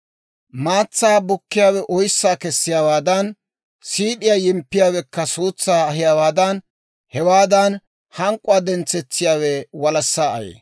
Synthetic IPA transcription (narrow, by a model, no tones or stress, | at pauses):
maːt͡sːaːbʊkːɪjaːwɛʔɔjsːaːkɛsːɪjaːwaːd̪ɐn | siːᶑɪjajɪmpːɪjaːwɛkːɐsuːt͡sːaːɐɦɪjaːwaːd̪ɐn | hɛwaːd̪ɐn | hɐŋkʼʊaːd̪ɛnt͡sːɛt͡sːɪjaːwɛwɐlɐsːaːɐjḛː